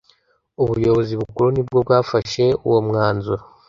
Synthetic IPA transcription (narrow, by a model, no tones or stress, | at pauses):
uβujo̞βo̞ziβukuɾunibɡo̞bɡaːfaʃe̞ṵwomŋaːnzuɾa